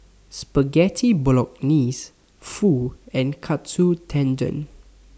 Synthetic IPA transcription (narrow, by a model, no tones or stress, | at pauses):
spəɡɛtʰiblɔk̚nis | fuɛ̃nkʰatsutʰɛ̃nd͡ʒə̰̃n